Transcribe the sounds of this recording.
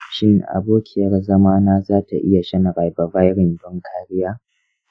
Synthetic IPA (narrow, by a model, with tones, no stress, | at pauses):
ʃɪ˦ŋʔa̰˨boː˦kʲʰɪ˨jɐ˦rzɐ˦maː˦naː˦zaː˦ta˨ʔɪ˦ja˨ʃɐ˦nɽa˨jba˨ba˦jɽɪ˨mbɔ˦ŋkʰaː˦ɾɪ˦jaː˦